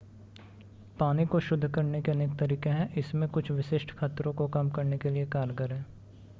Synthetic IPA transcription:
paːnikoʃʊd̪ʱːkɐɾnekeɐnek̚t̪ɐɾiːkeɦɛ̃ʔɪsmẽkʊt͡ʃʰʋɪʃɪʃʈkʰaːt̪ɾõkokɐmkɐɾnekeliekaːɾɡəɾɦɛ̃ː

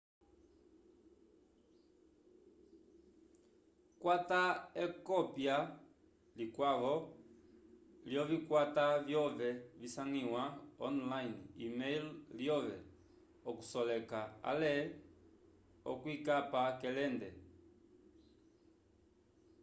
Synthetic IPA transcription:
kwataɛkɔpja | likwaɣɔ | ljɔvikwatavjɔvɛvisaŋiwaɔnlainḭmɛjlljɔvɛ̰ | ɔku̥sɔlɛkaa̰lɛ | ɔ̰kwikapakɛlɛndɛ

